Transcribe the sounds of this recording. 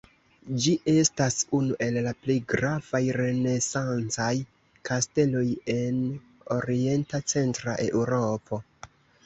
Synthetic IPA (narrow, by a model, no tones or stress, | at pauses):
d͡ʒiʔe̞stasunuʔe̞llaplejɡɾav̥ajɾe̞ne̞sant͡saj | kaste̞lo̞je̞n | o̞ɾie̞ntat͡se̞ntɾa̰ʔe̞̰ʔuɾo̞po̞